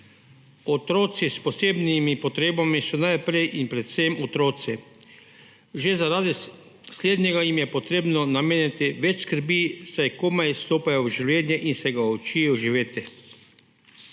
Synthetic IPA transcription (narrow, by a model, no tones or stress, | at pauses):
ɔt̪ɾoːt̪sispɔseːbnimipɔt̪ɾeːbamisunajpɾejʔinpɾɛt̪sɛmɔt̪ɾoːt̪si | ʒezaɾaːd̪i | sleːd̪ɲɛɡajimjɛpɔt̪ɾeːbnɔnameːnjat̪iʋɛt͡ʃskəɾbisajkoːmajst̪oːpajɔwʒiwljɛnjɛʔinsɛɡaot͡ʃiɛjɔʒiʋeːt̪ɛ